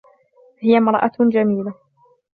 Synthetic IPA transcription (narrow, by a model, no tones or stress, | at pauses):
hɪjamɾˤɑʔad͡ʒamiːla